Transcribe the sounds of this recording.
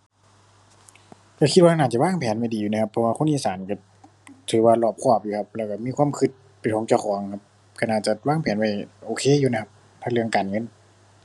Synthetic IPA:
ka˧˩kʰi˧t̪̚waː˧naː˧˩t̚t͡ɕa˧waː˧˥˨ŋpʰɛː˨˦nma˧˩jdiː˨juː˧na˧kʰpʰːɔ˧waː˧kʰo˧˥˨ʔiː˧˩˨saː˩˦nka˧˩ | t̪ʰɯː˨˦waː˧lɔː˧˩p̚kʰɔː˧˩p̚juː˧kʰp̚lɛː˧˩ka˧˩miː˧˥˨kʰu˧˥˨mkʰɯ˧˩t̪̚ | pa˨t̪ʰoː˨˦ŋt͡ɕa˧˩˨xʰɔː˨˩˦ŋkʰa˧˥p̚ | ka˧˩naː˧˩t͡ɕa˧˦waː˧˥˩ŋpʰɛː˨˩˦nma˧˩jʔoː˨˩kʰeː˧˥˨juː˧na˧˥kʰa˧p̚ | p̪ʰa˧˩lɯ˧əŋkaː˨nŋɤ˧˥˨n

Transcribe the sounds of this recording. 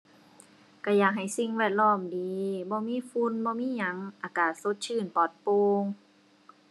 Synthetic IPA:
ka˧˩jaː˨˧˩k̚ɦa˨˩jsi˧ŋwɛː˧˩t̪̚lɔː˧˩˨mdiː˨˦bɔː˧˦miː˧˥˨fu˧˥˨nbɔː˧˦miː˧˥˨ɲa˧˦ŋʔaː˧˩kaː˨˧˩so˧˦t̪̚t͡ɕʰɯː˧˩˨npɔː˨˩t̪̚poː˧ŋ

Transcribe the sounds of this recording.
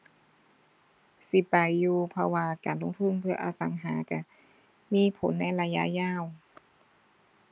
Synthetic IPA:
si˧˦pa˨˩jːuː˧pʰɔ˧waː˧kaː˨nlo˧˨ŋt̪ʰu˧˥˨npʰɯ˧ɐʔa̰ː˨˧sa˨˦ŋɦaː˩˦ka˧˩ | miː˧˥˨pʰo̰˨˦nːa˧˥˩jla˧ja̰˧˥ʔjaː˧˥˩w

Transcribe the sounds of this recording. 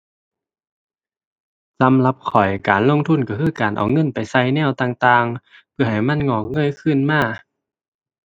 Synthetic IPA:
sa˨˦mla˧p̚kʰɔ˨˩jkaː˨˩nlo˧˥˨ŋt̪ʰu˧˥˨nka˧˩kʰɯː˧˥˩kaː˨˩nʔa̰˨˩wŋɤ˧˥˨npa˨˩jsa˧˥˨jnɛː˧˥˨wt̪aː˧ŋt̪aː˧ŋ | pʰɯ˧˩ɐha˨˩jma˧˥˨nŋɔː˧˩k̚ŋɤ˧˥˨jkʰɯ˧˨nmaː˧˥˨

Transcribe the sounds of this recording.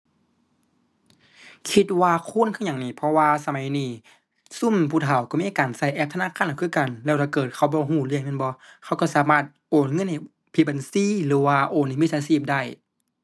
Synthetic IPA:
kʰi˧t̪̚waː˧kʰuː˧˥˨nkʰːɲa˨ŋniː˧˩pʰɔ˧waː˧sa˧ma˨˦jniː˧˩ | su˧˥˨mpʰu˧˩t̪ʰa˨˦wkɔ˧˨miː˧˥˨kaː˨˩nsa˧˩˨jʔɛː˧˩p̚t̪ʰnaː˧˥˨kʰaː˧˨n˨˩kʰɯː˧˥˨ka˨nlɛː˧wt̪ʰaː˧˩kɤː˨˩t̪̚kʰa˧˩wbɔː˧˦ɦuː˧˩lɯ˧əŋmɛ˧˥˨nbɔ˧˦kʰa˧˩wkɔ˧˩saː˨˦maː˧˩t̪̚ʔoː˨˩nŋɤ˧˥˨nha˧˩j | pʰi˧˩ba˨nsiː˧˥˨lɯː˨˦waː˧ʔoː˨nhm˧˥˨saː˧˦siː˧˩p̚da˧˩j

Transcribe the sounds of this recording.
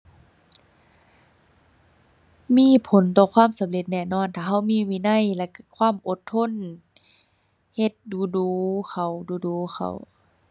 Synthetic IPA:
miː˧˥˨pʰo˨˦nt̪ɔː˧˩kʰwaː˧˥˨msa˨˦mle˧t̪̚nɛː˧˨nɔː˧˥˨nt̪ʰaː˧ɦa˧˥˩wmiː˧˥˨miː˧˨na˧˥˨jlɛ˧ka˧kʰwaː˧˥˨mʔo˧˦t̪ʰːo˧˥˨n | he˧˩t̪̚duː˧˦duː˨˦xʰa˨˩wduː˧˦duː˨˦xa̰˧˩w

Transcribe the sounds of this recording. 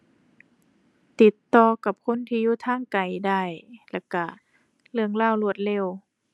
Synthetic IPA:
t̪i˧˦t̪ːɔː˧ka˧˩p̚kʰo˧˥˨nt̪ʰiː˧juː˧˩t̪ʰaː˧˥˨ŋka˨˩jda˧˩jlɛ˧˩ka˧˩ | lɯ˧əŋlaː˧˩˨wlu˧ət̪̚le˧˩˨w

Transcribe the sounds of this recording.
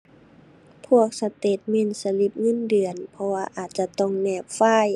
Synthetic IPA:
pʰu˧˥˩ək̚sa˧t̪e˨˩t̪̚mɛ˧˥˨nsa˧li˧˩p̚ŋɤ˧˥˨ndɯ˨˩ənpʰɔ˧waː˧ʔaː˨˩t̪̚t͡ɕa˧˦t̪ɔ˧˥˨ŋnɛː˧˩p̚faː˧˩˨j

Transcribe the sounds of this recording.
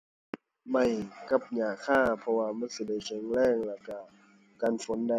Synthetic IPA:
ma˧˩jka˧˥p̚ɲaː˨˩kʰaː˧˥˩pʰɔ˧waː˧ma˧˥˨nsi˧˩da˧˩jt͡ɕʰe˧˩ŋlɛː˧˥˩ŋla˧˩ka˧˩ | kaː˧˨nfo˨˦nda˧

